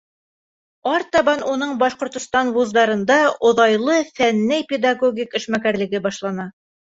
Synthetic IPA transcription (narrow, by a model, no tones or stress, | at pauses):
ɑɾt̪ɑβɑnunɤɴbɑʃqŏɾt̪ŏst̪ɑnwuzd̪ɑɾɤ̆nd̪ɑŏðɑjlˠɤfænːæjpʲed̪aɡoɡʲikɘ̆ʃmækæɾlɘ̆ɡɘbɑʃlˠɑnɑ